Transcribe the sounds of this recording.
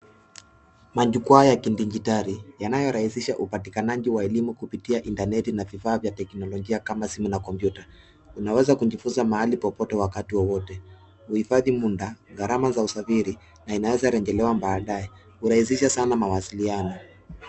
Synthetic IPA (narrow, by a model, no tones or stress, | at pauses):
maʄukuajakindiɲd͡ʒitaɾijanajɔɾahisiʃaʔupatikanaʄiwaɛlimukupitiaʔintanɛtinavifaːvjatɛknɔlɔʄiakamasimunakɔmpjuta | unawɛzakuɲd͡ʒifunzamahalipɔpɔtɛwakatiwɔwɔtɛ | huhifaðimundaɣaɾamazausafiɾi | nainawɛzaɾɛŋɡɛlɛwambaːɗaɛ | huɾahis̬iʃasanamawasilianɔ